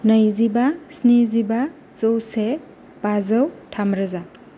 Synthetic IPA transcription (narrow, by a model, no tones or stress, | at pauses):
nɐjzibasniziba | t͡sowse | pazɐwtʰamɾɐza